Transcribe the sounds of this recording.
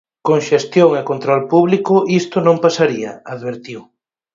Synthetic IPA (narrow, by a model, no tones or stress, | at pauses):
koŋʃest̪joŋekont̪ɾɔlpuβlikʊʔist̪ʊnõmpasaɾiɐaðβeɾt̪iw